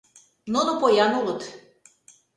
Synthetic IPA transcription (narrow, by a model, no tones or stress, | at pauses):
nonopojɑnulə̆t̪